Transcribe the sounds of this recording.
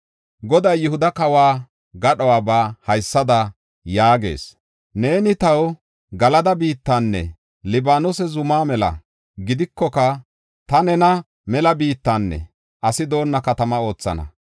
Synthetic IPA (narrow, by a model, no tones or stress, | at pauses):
ɡɔd̪ɐjːʊhʊd̪ɐkɐwaː | ɡɐɗɔwaːbaːhɐjsːɐd̪ɐ | jaːɡe̞̰ːs | ne̞ːnɪt̪ɐw | ɡɐlɐd̪ɐbiːt̪ːanːɛ̰ | lɪbaːnɔsɛzʊmaːmɛlɐ̰ | ɡɪd̪ɪkːɔkɐ | t̪ɐnɛnɐ | mɛlɐbiːt̪ːanːɛ̰ | ʔɐsɪd̪o̞ːnːɐkɐt̪ɐmɐo̞ːt͡sːɐ̰nɐ̰